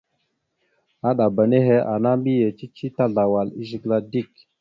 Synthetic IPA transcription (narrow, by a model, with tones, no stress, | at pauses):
a˦ɗa˨ba˨ne˦ɦe˦ʔa˨na˦mbi˦je˨t͡ʃi˦t͡ʃi˦ta˦ɮa˨wa˨li˦zi˨˦ɡla˦di˦˨k